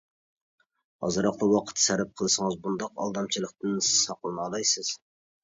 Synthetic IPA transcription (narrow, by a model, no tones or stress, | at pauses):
ɑ̰zɨɾɑq̚d̪ɑwɑqʰə̥t̪ʰsæɾɪp̚qʰəlˠɨsəŋɨzbund̪ɑqɑ̰lˠd̪ɑmt͡ʃʰilˠəq̚t̪ɨnssɑqlˠɨnɑlˠɑjsɨz̥